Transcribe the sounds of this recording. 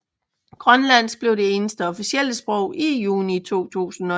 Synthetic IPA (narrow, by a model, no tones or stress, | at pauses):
ɡ̥ʁɶnlæn̰sb̥le̝ʊ̥e̝e̝ːnəsd̥əɒ̽fisiel̰əsb̥ʁɔʊ̰ʔijuːnit͡sʰo̝̰ːt͡sʰṵːsn̩ɒ̽